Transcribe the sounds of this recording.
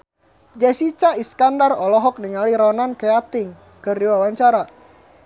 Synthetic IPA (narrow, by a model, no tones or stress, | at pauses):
d͡ʒasit͡ʃaiskandarɔlɔɦɔk̚niŋaliɾɔnankeat̪ɪŋ | kɨrdiwawaɲt͡ʃaɾa